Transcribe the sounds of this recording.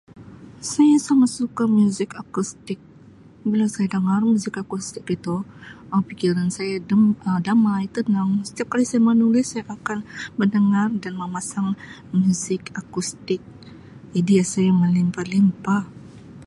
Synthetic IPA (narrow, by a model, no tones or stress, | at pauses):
sajasamasukamjuzɪkakust̪ɪk̚ | bilasajadəŋarmuzɪkakust̪ɪkit̪uapikiɾansajaədamajt̪ənaŋsə̥t̪iap̚kalisajamənulɪsːajaʔakanbədəŋardanməmasaŋ | mjuzɪkakust̪ɪk̚ | idijasajaməlimpalimpah